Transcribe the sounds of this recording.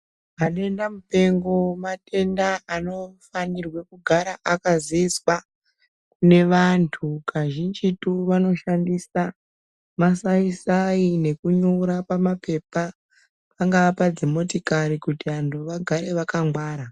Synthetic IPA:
anoe̞ndamupe̞ŋɡo̞matʰe̞ndaano̞fanirwe̞kuɡʱaɾaʔakaziiswa | kune̞ʋantʰukʰaʒind͡ʒituʋano̞ʃandisa | masaisaine̞kuɲoɾapamape̞pa | paŋɡaʋapad͡zimo̞tikaɾikutiantʰuʋaɡʱaɾe̞ʋakaŋɡwaːɾa

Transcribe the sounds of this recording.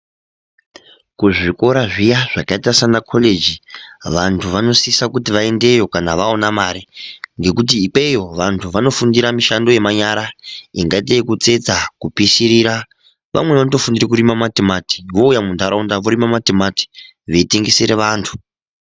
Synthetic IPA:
kuʐiko̞ɾaʐijaʐ̥akaitasanakʰo̞le̞d͡ʒiʋantʰuʋano̞sisakutiʋae̞nde̞jo̞kanaʋao̞namaɾiŋɡe̞kut̬iːk͡pe̞jo̞ʋantʰuʋano̞fundiɾamiʃando̞je̞maɲaɾaiŋɡait̬eikut͡se̞d͡zakupisiɾiɾa | ʋʔa̰mwe̞ʋanoto̞fundirek̬uɾimamatemati̥ʋo̞ujamund̪aɾaundaʋoɾimamatemati̥ | ʋeitiŋɡisiɾeʋaːntʰu̥

